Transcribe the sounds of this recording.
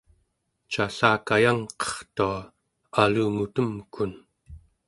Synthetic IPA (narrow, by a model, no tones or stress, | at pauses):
t͡ʃaɬaːkajaŋqʌ̥χt̪ua | aluːŋut̪əmkun